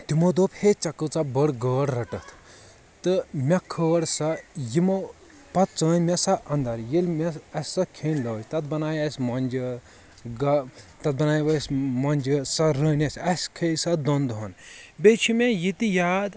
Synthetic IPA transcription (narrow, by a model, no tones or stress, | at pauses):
t̪imod̪oːphet͡ʃɐkət͡sɐbɐɽɡəːɽɾɐʈɐt̪ʰ | t̪ɨmʲɐkʰəːɽsɐjimo | pɐt̪̚t͡səːnmʲɐsɐʔɐnd̪ɐɾjilmʲɐɐsʲsɐkʰeːnlɐːjt̪ɐt̪̚bɐnaːjɐsʲmɐnʲd͡ʒə | ɡɐt̪ɐt̪̚bɐnaːjʋɐsʲmɐnʲd͡ʒəsɐɾəːnʲɐsʲɐsʲkʰesɐd̪ɔnd̪ɦɐnbet͡ʃʰimʲejit̪ijaːd̪